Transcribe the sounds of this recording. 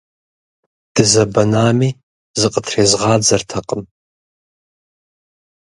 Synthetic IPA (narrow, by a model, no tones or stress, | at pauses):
d̥ɨzɐbɐnaːmiː | zɨqʼətʰreːzʁɑːd͡zɐrtʰɐqʼəm